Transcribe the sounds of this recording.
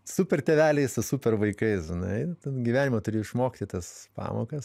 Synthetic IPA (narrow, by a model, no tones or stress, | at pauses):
supʲɛrt̪ʲɛʋʲæːlʲɛɪsʊsupʲɛrʋɐɪkɐɪsʒʲɪnɐɪt̪ɐɡʲiʋʲæːnʲɪmot̪ʊɾʲejʊɪʃmoːkʲt̪ʲɪt̪ɐspɑ̰ːmo̰ːkɐs